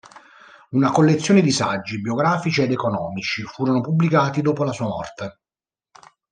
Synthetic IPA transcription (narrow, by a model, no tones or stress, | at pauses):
unakolːet̪sːjoːned̪isad͡ʒːibioɡɾaːfit͡ʃied̪ekonɔːmit͡ʃifuːɾonopubːlikaːt̪id̪oːpolasuːamɔ̰rt̪e